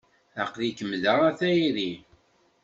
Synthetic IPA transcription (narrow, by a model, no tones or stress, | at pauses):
æqðikəmðæʁæθæjiði